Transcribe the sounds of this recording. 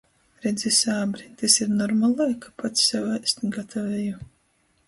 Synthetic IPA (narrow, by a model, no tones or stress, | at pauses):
ɾɛd̪zisʲaːbɾit̪esiɾnɔɾmalˠajkʰḁpat̪ssɛwajst̪iɡat̪ʰavɛju